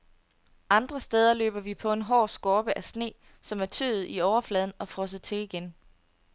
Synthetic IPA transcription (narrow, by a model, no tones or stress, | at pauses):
ʔɑ̈nd̥ʁɐsd̥eːð̞ˠɐlø̰ːb̥ɐʋipʰɒ̽e̝nɦɒ̰ːsɡ̥ɒːb̥əʔæsne̝̰ː | sɒ̽mæɐt͡sʰø̰ːðð̩ˠiɒʊɐflɛːð̞ˠn̩ɒ̽fʁɔ̽s̬ð̩ˠt͡sʰe̝liɡ̥en